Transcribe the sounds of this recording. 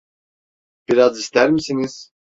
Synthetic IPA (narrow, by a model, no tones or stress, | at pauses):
b̥iɾɑd͡zist̪æɾmisiniz̥